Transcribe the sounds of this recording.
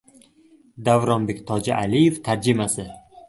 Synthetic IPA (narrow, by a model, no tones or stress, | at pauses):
d̪avɾɒnbe̞kʲt̪ʰɒd͡ʒa̰ʔalijeft̪ʰaɾd͡ʒɪmasɪ